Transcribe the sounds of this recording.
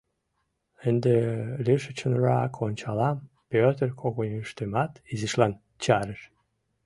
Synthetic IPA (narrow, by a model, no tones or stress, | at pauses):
ənd̪elʲiʃət͡ɕə̆nrɑkʰonʲt͡ɕɑlɑm | pʲøt̪ərkʰoɣonʲyʃt̪emɑt̪iziʃlɑn | t͡ɕɑɾəʃ